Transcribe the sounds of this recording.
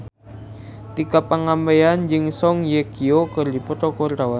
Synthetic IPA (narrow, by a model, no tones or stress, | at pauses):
t̪ikapːaŋampeand͡ʒɪŋsɔŋjekiokərdipɔt̪ɔkɔrdawa